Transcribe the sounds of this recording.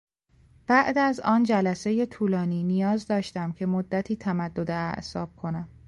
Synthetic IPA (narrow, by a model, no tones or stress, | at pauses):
b̥æʔd̪æzɒːnd͡ʒælæse̞je̞t̪ʰuːlɒːniːnijɒːzd̪ɒːʃt̪æmcʰe̞mod̪ːæt̪ʰiːt̪ʰæmæd̪ːod̪eæʔsɒːb̥̚kʰo̞næm